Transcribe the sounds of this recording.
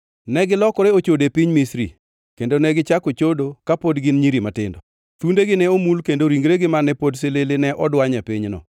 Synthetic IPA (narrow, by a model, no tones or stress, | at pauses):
nɛɡɪlɔkɔɾeot͡ʃodepiɲmisɾḭ | kendonɛɡɪt͡ʃakot͡ʃodokapodɡɪnɲiɾimatɪndɔ | t̪undeɡɪnɛomulkendoɾiŋɡɾeɡɪmanɛpods̬elelenɛʔɔdwaɲɛpiɲnɔ̰